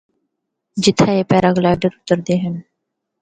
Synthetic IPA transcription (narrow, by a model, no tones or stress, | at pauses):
d͡ʒɪt̪ʰaepɛːɾaɡlaːɪɖəɾʊt̪ːəɾd̪eɦɛn